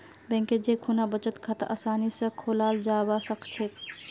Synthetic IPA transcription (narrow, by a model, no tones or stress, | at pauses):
bɛ̃ŋked͡ʒekʰunabət͡ʃət̪kʰat̪əʔəsaːnisə̃kʰoːlaːld͡ʒabasəkʰt͡ʃʰet̪